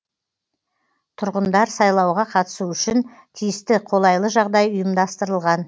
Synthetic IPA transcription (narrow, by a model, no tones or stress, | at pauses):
t̪ʰʊɾʁənd̪ɑɾsɑjlˠɑwʁɑqʰɑt̪ə̥suʏʃɪn | t̪ʰijɪst̪ɪqʰo̞lˠɑjlˠəʒɑʁd̪ɑjʊjəmd̪ɑst̪əɾəlˠʁɑn